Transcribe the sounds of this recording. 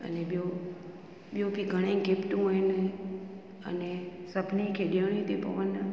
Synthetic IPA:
ə̰neɓjo | ɓjopiɡʱəɽ̃ãɡepʈũɦojnə | ə̰nesəpnikʰeɗijaɽ̃ĩt̪epə̰ʋənːə

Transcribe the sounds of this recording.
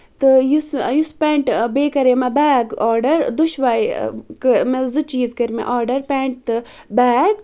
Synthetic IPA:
t̪ɨjusjuspeːɳʈbeːkɐɾeːmabaːɡɔːɾɖɐɾd̪uʃʋaːjkɨmezɨt͡ʃiːzkɐɾmḛʔɔːɾɖɐɾpɛːɳʈ̚t̪ɨ | baːɡ

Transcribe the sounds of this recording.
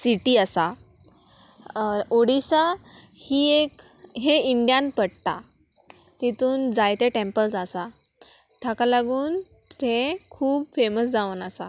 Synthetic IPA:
siʈiasa | oɽiɕa | hiːekɦeiɳɖijãnpəɽt̪a̰ | t̪it̪uːnd͡zajt̪eʈẽmpəlsasa | t̪ʰakalaɡuːn | t̪ʰekʰuːbfeməsd͡zaʋənasa̰

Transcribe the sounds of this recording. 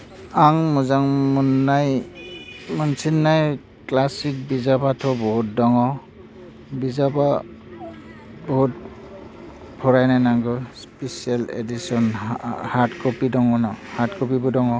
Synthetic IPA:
aŋmuzaŋmɔnːaj | mɔnsinːaj | klasik̚bizabatʰɔbɔɦut̚dɔŋɔ | bizaba | bɔhut̚ | pʰɔɾajnajnaŋɡɯspesialḛdisɔnhaɾtkɔpidɔŋɔnɔhaɾtkɔpibɔdɔŋɔ

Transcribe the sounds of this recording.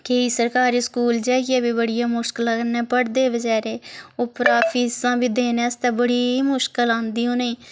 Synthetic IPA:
keiːsəɾkaːɾiːskuːld͡ʒaːiɡɛːbiːbəɽɪjãːmʊʃkəlanɛːpəɽd̪eːbəd͡ʒɛːɾeːoːpɾaːfʰiːsãːbiːd̪eːnɛːst̪ɛːbəɽiːmʊʃkəlãːnd̪iːõːneĩː

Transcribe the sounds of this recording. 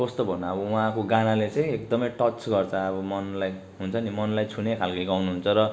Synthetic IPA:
kʌst̪obʱʌnʌːbʌuɦãkoɡanalet͡sʌj̃ekd̪ʌmʌjʈʌt͡sɡʌrt͡sʰʌʌbʌmʌnlaj | ɦunt͡sʰʌnimʌnlajt͡sʰunekʰalkiɡawnuɦunt͡sʰʌɾʌ

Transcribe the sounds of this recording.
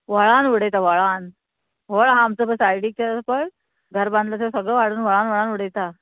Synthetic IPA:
ʋəɭanʋəɽejt̪aʋəɭan | ʋəɭɦãːmt͡səbəsajɽiːk̚t̪aspəɭ | ɡʱəɾbãnd̪ʱlat̪ʰesəɡɭəʋaɽ̤uːnʋəɭanʋəɭanʋəɽet̪a

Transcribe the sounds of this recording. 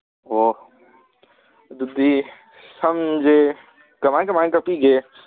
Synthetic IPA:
oː | d̪ud̪i | sɐmd͡ʒe | kɐmaːnkɐmankɐpiɡeː

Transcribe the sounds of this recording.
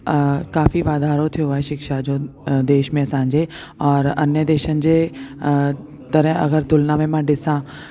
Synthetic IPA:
kaːfiʋaːd̪ʱaːɾõt̪ʰijoaːeʃɪkʃad͡ʒoːd̪eːʃmẽɐsãːɲd͡ʒe | ɔːɾɐ̰njəd̪eːʃənɪ̆d͡ʒe | t̪əɾɛ̃ɐ̰ɣəɾt̪ʊlnamẽmãɖɪsãː

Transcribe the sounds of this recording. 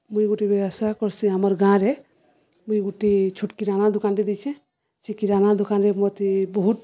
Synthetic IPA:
mujɡuʈibɛɔsakɔɾsiamɔɾɡãɾɛ | mujɡuʈit͡ʃʰuʈkiɾanad̪ʊkanɾɛd̪it͡ʃʰɛ | sikiɾanad̪ukanɾɛmɔt̪ibɔɦut̪

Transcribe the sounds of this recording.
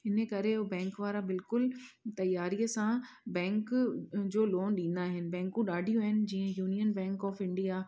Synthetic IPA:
ɪnəkɐɾeobɛ̃ːŋkʋaːɾabɪlkʊlt̪ɐjːaːɾiəsã | bɛ̃ːŋkd͡ʑoːloːnɗĩːnd̪aːɦɪnɪ̆bɛ̃ːŋkũɗaːɖʱijũaɦɪnɪ̆d͡ʑiːə̃juːnijənbɛ̃ːŋkɔːfɪ̃ɳɖija

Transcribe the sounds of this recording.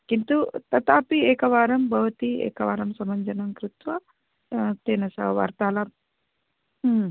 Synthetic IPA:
kint̪ut̪ɐt̪aːpiɛːkɐʋaːɾɐmbʱɐʋɐt̪iɛ̰ːkɐʋa̰ːɾɐmsɐmɐɲd͡ʒɐnɐmkɾut̪ʋɐ | t̪eːnɐsɐʋa̰ːɾt̪aːlɐ

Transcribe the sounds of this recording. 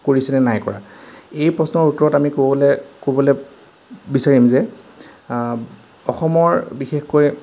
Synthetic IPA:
koɹisɛnɛnajkɔ̰ɹa̰ejpɹɔsnɔɹutɹɔtamikobɔlɛkobɔlɛ | bisaɹimzɛ | ɔxɔmɔɹbixexkoj

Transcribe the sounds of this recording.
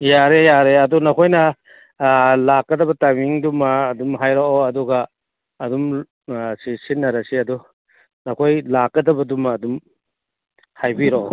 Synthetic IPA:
jaɾejaɾeɐdunɐkʰojnɐ | lakːɐdɐbɐtamiŋdumɐːdumɦajɾoʔoɐduɡɐː | dum | sisinːɐɾɐsiɐdu | nɐkʰojlakːɐdɐbɐdumɐːdum | hajbiɾoʔo

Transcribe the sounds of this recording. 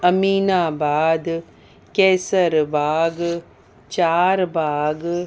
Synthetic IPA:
ɐmiːnãːbaːd̪ | kɛːsəɾbaːɡ | t͡ʃaːɾbaːɡ

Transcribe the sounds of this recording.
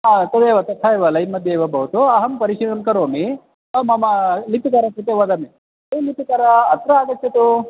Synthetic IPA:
aɐt̪ɐd̪eːʋɐt̪ɐt̪ʰːaeʋɐlɐjnmɐd̪ʱjɐiʋɐbɐɦut̪uɐɦɐmpɐɾiʂiʋɐnkɐɾoːmi | mɐmɐlip̪ikaːɾɐkɾut̪eʋɐd̪ɐme | elip̪ikaːɾɐːt̪ɾɐaːɡɐt̪jɐt̪u

